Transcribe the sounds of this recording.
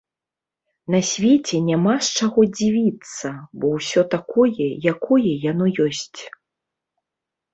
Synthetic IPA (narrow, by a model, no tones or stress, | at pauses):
nasʲvʲet͡sʲɛnʲamast͡ʂaɣɔd͡zʲivʲit̪sːɐbɔwsʲɔt̪akɔjɛjakɔjɛjanɔjɔsʲt͡sʲ